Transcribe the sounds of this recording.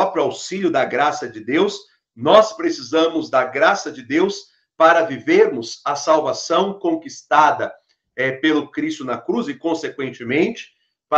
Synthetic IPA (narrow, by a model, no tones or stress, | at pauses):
ɔpɾjʊawsiʎʲjʊd̪ɐɡɾasɐd͡ʒɪd̪ews | nɔspɾesizɐ̃mʊzd̪ɐɡɾasɐd͡ʒɪd̪ews | paɾɐviveɾmʊzɐsawvasɐ̃w̃kõkist̪ad̪ɐ | ɛpelʊkɾist̪ʊnɐkɾuzɪkõsekwẽnt͡ʃɪmẽnt͡ʃɪ̥ | pa